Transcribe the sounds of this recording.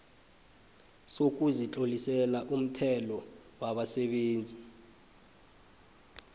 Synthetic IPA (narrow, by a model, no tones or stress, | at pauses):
sok̬ʼuzit͡ɬʼolisɛlaʔum̩tʰɛlɔwaɓasɛɓeːnd͡zʱi